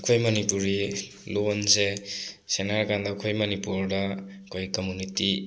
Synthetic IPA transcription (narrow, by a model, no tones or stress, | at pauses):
ɐkʰojmɐnipuɾi | lonsesenaɾkandɐkʰojmɐnipuɾdɐ | kʰojkomuniti